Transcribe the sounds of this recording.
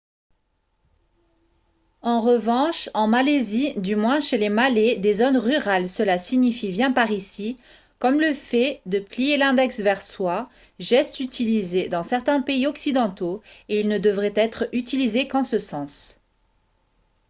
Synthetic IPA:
ɑ̃ʁəvɑ̃ʃɑ̃malezid̪ymwɛ̃ʃelemaled̪ezonʁyʁalsəlasiɲifibjɛ̃paʁisi | kɔmləfɛd̪əplijelɛ̃d̪ɛksvɛʁswa | ʒɛst̪yt̪ʰilized̪ɑ̃sɛʁt̪ɛ̃peiɔksid̪ɑ̃t̪oeilnəd̪əvʁɛt̪ɛt̪χyt̪ilizekɑ̃səsɑ̃s

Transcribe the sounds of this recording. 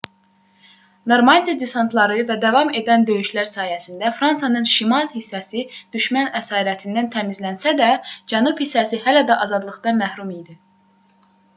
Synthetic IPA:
noɾmɑnd̪ijɑd̪isɑnt̪ʰlˠɑɾɯvæd̪ævɑme̞d̪ænd̪ø̞jyʃlæɾsɑːjæsind̪æfɾɑnsɑnɯnʃimɑlˠhisːæsid̪̥yʃmænæsɑːɾæt̪ʰind̪ænt̪ʰæmizlænsæd̪æd͡ʒænubhisːæsiɦælæd̪æʔɑzɑd̪lˠɯχd̪ɑnmæhɾumijd̪i

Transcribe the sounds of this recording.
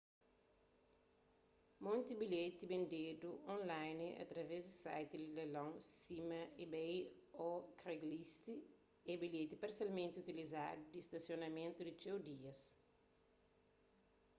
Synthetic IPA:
mõnt̪ibiʎet̪ibẽnd̪ed̪uõnlajniʔɐ̰t̪ɾɐvɛzd̪isa̰jt̪ililelõŋsimɐibej | ɔkɾeɡlist̪i | ɛbiʎet̪ipaɾsjalmẽnt̪iut̪iliza̰d̪ud̪ist̪ɐsionɐmẽnt̪ud̪it͡ʃewd̪iɐs

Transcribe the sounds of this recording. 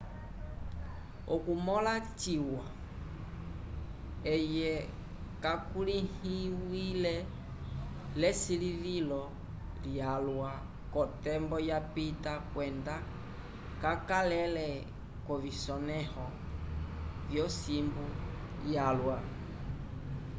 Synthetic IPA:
ɔkumɔlat͡ʃiwa | ɛjɛ | kakulihiwilɛ | lɛsilivilɔ | ljalwa | kɔtɛmbɔjapitakwɛnda | kakalɛlɛ | kɔvisɔnɛhɔ | vjɔsimbu | jalwa

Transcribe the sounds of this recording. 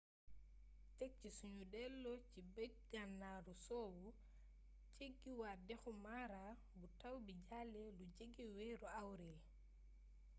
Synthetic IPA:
tek̚t͡ʃisuɲudɛlːɔt͡ʃibɛ | ɡanːaɾɔsowu | t͡ʃeɡːiwadɛxumaɾa | butawbid͡ʒalːɛlud͡ʒeɡːiwɛɾɔawɾɛl

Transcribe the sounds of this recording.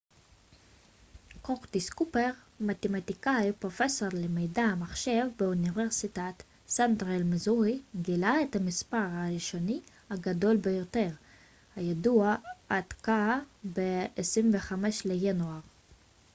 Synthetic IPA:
koχd̪iskupeʁ | mat̪emat̪ikajpʁo̞feso̞ʁlemejdamaχʃe̞vbeuniveʁsitat | santʁelmezuʁiɡilaet̪hamispaʁaʁiʃo̞ni | haɡado̞lbejo̞t̪eʁ | hajaduaadkabeesʁimveχameʃlejanuaʁ

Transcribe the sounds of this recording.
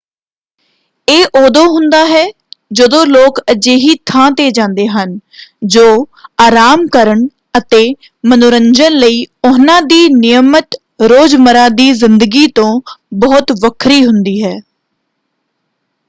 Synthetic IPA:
eːʔoːd̪õːɦʊnd̪aːɦɛː | d͡ʒəd̪õːloːkəd͡ʒeːɦiːt̪ʰãːt̪eːd͡ʒãːnd̪eːɦənd͡ʒoːaːɾaːmkəɾəɳ | ət̪eː | mənʊɾəɲd͡ʒənləiːʊnãːd̪iːnɪjəmət̪ | ɾoːd͡ʒməɾãːd̪iːzɪnd̪əɡiːt̪õːbɔːt̪ʋəkʰɾiːɦʊnd̪iːɦɛː

